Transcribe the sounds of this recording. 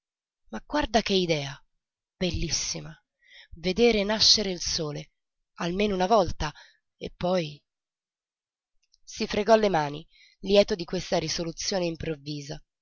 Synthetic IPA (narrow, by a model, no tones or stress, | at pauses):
maɡward̪ak̟eid̪ɛːa | b̥elːisːima | ved̪eːɾenaʃːeɾeilsoːle | almeːnounavɔlt̪a | ḛpːɔj | sifɾeɡɔlːemaːni | ljɛːt̪od̪ikwest̪aɾisolut̪sːjoːneimpɾovːiːza